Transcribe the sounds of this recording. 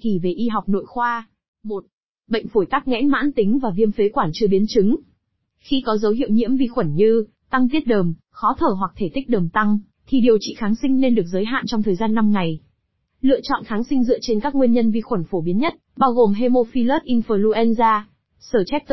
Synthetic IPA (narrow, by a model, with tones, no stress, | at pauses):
t̪ʰi˧˩ve˨˩ʔi˧ɦa˨˩wk͡p̚no̰˧˨jxwaː˧ | mo˨˩t̚ | ɓə̰˧˨ŋ̟fo˧˩jt̪aː˦˥k̚ŋɛ̰˧˥ma̰ː˧˥nt̪ï˨˦ŋ̟vaː˨˩vi˧əmfe˨˦kwaː˧˩nt͡ɕɨ˧əɓi˨˦ənt͡ɕɨ˨˦ŋ | xi˧kɔ˨˦zə˨˦wɦḭ˧əwɲḭ˧˥əmvi˧xwə˧˩nɲɨ˧ | t̪a˧ŋt̪̬i˦˥ət̚ɗəː˨˩m | xɔ˨˦t̪ʰəː˧˩ɦwa˨˩k̚t̪ʰe˧˩t̪ï˦˥k̚ɗəː˨˩mt̪a˧ŋ | t̪ʰi˨˩ɗi˨˩əwt͡ɕḭ˧˨xaː˨˦ŋsï˧ŋ̟ne˧nɗɨ˨˩ək̚zəː˨˦jɦa̰ː˧˨nt͡ɕɔ˧wŋ͡mt̪ʰəː˨˩jzaː˧nːa˧mŋa˨˩j | lɨ̰˧˨ət͡ɕɔ̰˧˨nxaː˨˦ŋsï˧ŋ̟zɨ̰˧˨ət͡ɕe˧nkaː˦˥k̚ŋwi˧ənɲə˧nvi˧xwə˧˩nfo˧˩ɓi˨˦ənɲə˦˥t̚ɓaː˧wɣo˨˩mɦe˧mo˧fi˧ləː˦˥t̚ʔi˧nfəː˨˩lu˧ʔɛ˧nzaː˧ | səː˧˩t͡ɕɛ˦˥k̚t̪